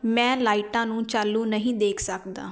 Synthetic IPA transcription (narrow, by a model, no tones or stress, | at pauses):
mɛ̃ːlaːiʈãːnũːt͡ʃaːlːuːnəɦĩːd̪eːkʰsəkd̪a̰ː